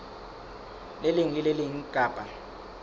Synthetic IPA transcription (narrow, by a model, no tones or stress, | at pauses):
leliŋileliŋ̩ɡ̥ʱʼaːbʱʼa